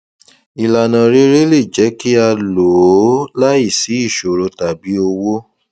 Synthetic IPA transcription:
i˨la˨nã˨ɾe˦ɾe˦le˦˨d͡ʒɛ˨˦ki˦a˧lo˨˦la˦i˦˨si˨˦i˦˨ʃo˨ɾo˧ta˨bi˨˦o˧wo˦

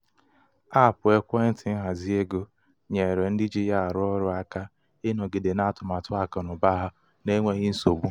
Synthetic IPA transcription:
a˦˨pʊ˨e˦kʷe˦n̩˦tɪ˨n̩˦ɦa˨zi˦e˦ɡo˦ | ɲe˨ɾe˨n̩˦dɪ˦d͡ʒi˦ja˦a˨ɾʊ˦ɔ˦ɾʊ˦a˦ka˦ | ɪ˦no˨ɡɪ˨de˨na˦tʊ˨ma˨tʊ˦a˨ka˨nʊ˨ba˦ɦa˦ | ne˦ŋʷe˦ɣɪ˦n̩˦so˨ɡ͡bu˦

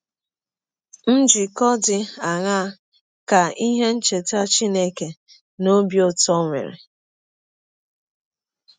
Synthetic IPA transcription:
n̩˦d͡ʒi˨kɔ˦dɪ˨a˨ŋa˦ | ka˨i˦ɦe˦n̩˦t͡ʃe˨ta˦t͡ʃi˦ne˦ke˨ | no˦bjo˦tɔ˦ŋʷḛ˨ɾḛ˨

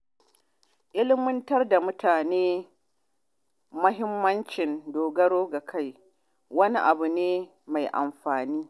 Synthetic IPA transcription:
ʔɪ˦lɪ˦mʊ˦ntɐ˦rda˨mʊ˦taː˨neː˦ | mʊ˦ɦɪ˦mːɐ˦nt͡ʃɪ˨ndoː˨ɡɐ˦ɽoː˦ɡa˨kʰa˦j | wɐ˦ni˦ʔa˨bu˨neː˦ | ma˨jʔa̰˨mɸaː˨niː˦

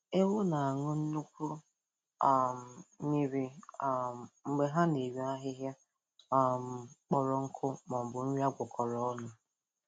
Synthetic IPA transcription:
e˦wo˦na˨a˨ŋʊ˦n̩˦nu˦kʷu˦ | a˦m̩˨mi˦ɾi˨a˦˨ŋ͡m̩˨ɡ͡be˦ɦa˦ne˨ɾi˦a˦ɦɪ˦ɦja˦ | a˦˨m̩˨k͡pɔ˨ɾɔ˨ŋ̩˦kʰʊ˦mɔ˨m̩˨bʊ˨n̩˦ɾi˦a˦ɡʷʊ˨kʰɔ˨ɾɔ˦nʊ˦

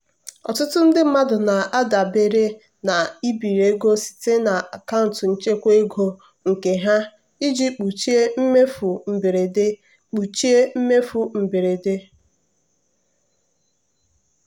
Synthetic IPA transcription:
ɔ̰˨tʊ˦tʊ˦n̩˦dɪ˦m̩˦ma˦dʊ˨na˨ʔa˦da˨be˨ɾe˦ | na˨i˦bi˨ɾe˦ɡo˦si̥˨te˦na˨a˨ka˦ʊ˨n˨tn̩˦t͡ʃe˦kʷe˦ɡo˦ | ŋ̩˨ke˨ɦa˦ | i˦d͡ʒi˦k͡pu˨t͡ʃi˦e˦m̩˦me˦fu˨m̩˨be˨ɾe˨de˦ | k͡pu˨t͡ʃi˦e˦m̩˦me˦fu˦˨m̩˨be˨ɾe˨de˦

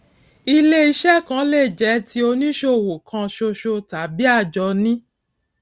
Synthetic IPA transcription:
i˧le˦i˧ʃɛ˦kã˧˦le˦˨d͡ʒɛ˨˦tʰi˧˦o˧nĩ˦ʃo˦˧˨wo˨kʰã˧ʃo˧ʃo˧ta˨˦bi˦a˦˨d͡ʒɔ˧nĩ˦

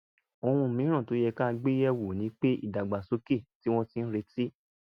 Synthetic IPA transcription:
o˧hũ˧˨mĩ˨˦ɾ̃ã˦˨to˨˦jɛ˧ka˦˧ɡ͡be˦jɛ˦wo˨nĩ˨˦k͡pe˦ḭ˦˨da˨ɡ͡ba˨so˨˦ke˦˨ti˨˦w̃ɔ̃˦ti˦n̩˦ɾe˧˦ti˦

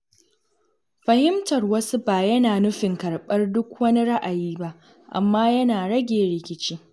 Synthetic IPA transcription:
ɸɐ˨hɪ˦mtɐ˨rwɐ˦su˦baː˨jɐ˦naː˨nʊ˦ɸɪ˨ŋkɐ˨ɽɓɐ˦rdʊ˦kʷwɐ˦ni˦ɽa˦ʔa˨jiː˦ba˦ʔ | ʔa̰˨mːaː˦jɐ˦naː˨ɽɐ˦ɡʲeː˨ɽɪ˨kʲɪ˦t͡ʃiː˦

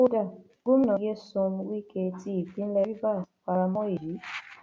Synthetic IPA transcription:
o˦da˦˨ | ɡu˦m̩˦nɔ̃˨je˦sõ˧m˧wi˦ke˧ti˦i˨fĩ˦n̩˦lɛ˧ɾi˦ba˦˨ka˧ɾa˧mɔ̃˦e˨ji˨˦

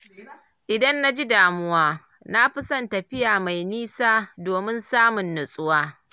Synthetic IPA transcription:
ʔɪ˨dɐ˦nːa˦d͡ʒi˦daː˨mʊ˦waː˦ | na˦ɸɪ˦sɐ˦ntɐ˨ɸɪ˦jaː˨ma˨jniː˦saː˦doː˨mɪ˦nsaː˦mʊ˨nːʊ˨sʼʊ˦waː˦

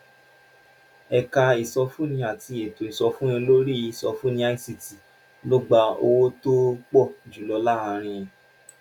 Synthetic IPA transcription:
ɛ˧ka˧i˨sɔ˧fũ˦nĩ˧˦a˨ti˧e˨to˨i˨sɔ˧fũ˦ĩ˧lo˦ɾi˦˨sɔ˧fũ˦nĩ˧˦a˦i˦si˧ti˨ | lɔ˦ɡ͡ba˧o̰˧wo˦to˦k͡pɔ˦˨d͡ʒu˨lɔ˧la˦a˧˨ɾ̃ĩ˧j̃ã˧

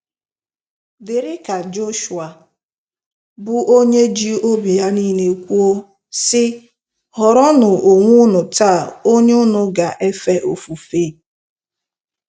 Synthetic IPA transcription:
dɪ˨ɾɪ˦ka˨d͡ʒo˦ʃu˨a˨ | bʊ˨ʔo˦ɲe˦d͡ʒi˦o˦bi˨ja˦ni˦ne˨kʷu˦o˦ | sɪ˦ | ɦɔ˨ɾɔ˦nʊ˨ʔo˨ŋʷʊ˦nʊ˨ta˦˨o˦ɲe˦ʊ˦nʊ˨ɡa˨ʔe˦fe˦ʔo˨fu˨feː˦˨

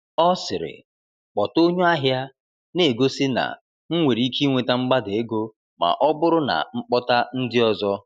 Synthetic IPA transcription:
ɔ˦sɪ˨ɾɪ̰˨ | k͡pɔ˨to˦ɲʊ˦a˦ɦja˦ | ne˨ɡo˦sɪ˦na̰˨ | ŋ̩˦ŋʷe˨ɾi˦ki˦ŋʷe˨ta˦ŋ͡m̩˦ɡ͡ba˦de˨e˦ɡo˦ | ma̰˨ʔɔ˦bʊ˦ɾʊ˦na̰˨ŋ͡m̩˦k͡pɔ˦ta˦n̩˦dɪ˦ɔ˨zɔ˦

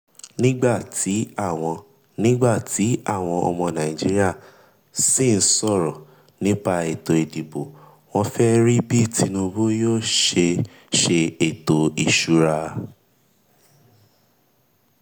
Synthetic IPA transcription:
nĩ˦ɡ͡ba˦˨tʰi˨˦a˦˨w̃ɔ̃˧ | nĩ˦ɡ͡ba˦˨ti˨˦a̰˦˨w̃ɔ̃˧ɔ̰˧mɔ̃˧nã˨ĩ˨d͡ʒi˨˦ɾi˦a˦˨ | si˦˨n̩˦sɔ˦˨ɾɔ˨ | nĩ˨˦pa˧e˨to˨e˨di˨bo˨ | w̃ɔ̃˧fɛ˦ɾi˦bi˦tʰi˧nũ˧bo˦joː˦˨ʃe˧ | ʃe˧e˨to˨i˨ʃu˨˦ɾa˧

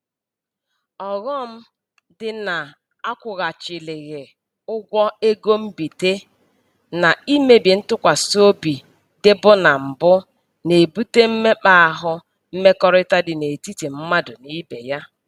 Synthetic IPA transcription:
ɔ˨ɣɔ˦m̩˦ | dɪ˨na˨ | a˦kʷʊ˨ɣa˨t͡ʃɪ˨lɪ˨ɣe˨ | ʊ˦ɡʷɔ˦e˦ɡo˦m̩˦bi˨te˦ | na˨i˦me˨bi˨n̩˦tʊ˦kʷa˨so˦bi˨ | dɪ˦bʊ˦na˨m̩˨bʊ˦ | ne˨bu˦te˦m̩˦me˦k͡pa˦˨a˨ɦʊ˦ | m̩˦me˦kɔ˦ɾɪ˦ta˦dɪ˨ne˨ti˦ti˨m̩˦ma˦dʊ˨ni˦be˨ja˦

